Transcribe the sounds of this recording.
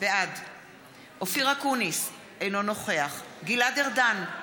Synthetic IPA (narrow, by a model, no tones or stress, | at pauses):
vead | ʔofiʁakunis | ejno̞no̞χe̞aχɡilad̪eʁdan